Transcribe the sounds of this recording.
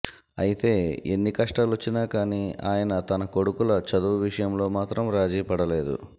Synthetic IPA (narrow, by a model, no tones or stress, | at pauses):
ɐ̰jit̪e̞ːḛnːikɐʂʈaːlot͡ʃːinaːkaːniːaːjɐnɐt̪ɐnɐko̞ɽukulɐt͡ʃɐd̪uʋiʂɐjɐmlo̞ːmaːt̪ɾɐmɾaːd͡ʒiːpɐɽɐle̞ːd̪ṵ